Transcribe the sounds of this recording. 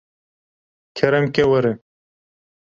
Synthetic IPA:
kʰeɾɐmkewɐɾe

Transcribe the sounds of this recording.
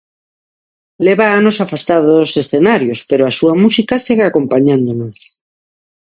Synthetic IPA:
leβaanosafast̪aðosesθenaɾjospeɾoasuamusikaseɣeakompaɲãnd̪onos

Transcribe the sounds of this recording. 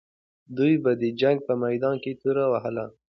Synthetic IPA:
d̪ujbad̪əd͡ʒaŋɡ̚pəmajd̪ɑnket̪uɾawaɦəla

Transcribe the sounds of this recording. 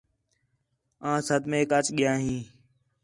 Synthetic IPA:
ãːsəd̪mẽːkət͡ʃɠɪjãːɦĩː

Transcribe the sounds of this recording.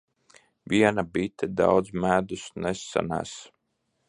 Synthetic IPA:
vʲiɛnabit̪ʰɛd̪a̰wd̪zmæːd̪usnesːa̰næ̰ːs

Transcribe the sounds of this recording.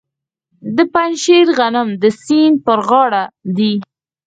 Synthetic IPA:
d̪əpanʃeɾɣanəmd̪əsinpəɾɣɑɽad̪i

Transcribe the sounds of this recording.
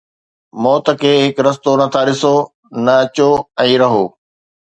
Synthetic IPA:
mɔːt̪ə̆kʰeːɦɪkɾɐs̬t̪onɐt̪ʰaɾɪso | nɐɐt͡ɕoɛ̃ːɾɐɦoː

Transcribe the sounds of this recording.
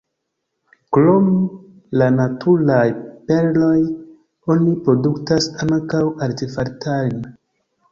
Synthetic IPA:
klom | lanatʰuɾajpe̞ɾlo̞j | o̞nipɾo̞duktasaŋkawaɾtefaɾtʰaln

